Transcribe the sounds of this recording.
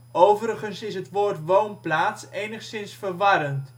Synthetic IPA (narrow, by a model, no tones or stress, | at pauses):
owvəɾəχənsɪsɦətʋoːɹtʋownplaːtsejnəχsɪnsfərʋɑɾənt